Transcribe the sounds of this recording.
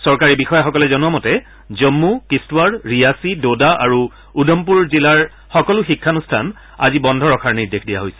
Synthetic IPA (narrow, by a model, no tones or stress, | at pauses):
sɔɹkaɹibixɔjaxɔkɔlɛzɔnuamɔtɛ | zɔmːukistwadɹijasidodaʔaɹu | udɔmp̬uɹzilaɹ | xɔkɔlʊxikʰːanustʰan | a̰zibɔndʱɔɹɔkʰaɹniɹdexʰdija̰ɦojsɛ̥